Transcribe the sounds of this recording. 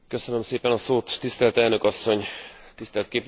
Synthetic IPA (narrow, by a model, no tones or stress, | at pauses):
kø̞sønømseːpɛnɒsoːt̪ːist̪ɛlt̪ɛlnø̞kɒsːo̞ɲt̪ist̪ɛlt̪̚keːp